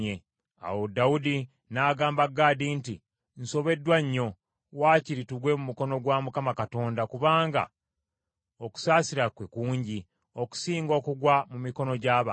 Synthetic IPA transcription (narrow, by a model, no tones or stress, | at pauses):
e | a̰wodawudi | naːɡaːmbaɡaːdiːnti | n̩so̞βe̞dːwaɲːo̞ | waːciɾituɡwe̞mumuko̞no̞ɡwamukamakato̞ːndakuβaːŋɡa̰ | o̞ku̥saːsiɾakwekuːɲɟi | o̞ku̥siːŋɡo̞ːkuɡwamumiko̞no̞ɟaːβa̰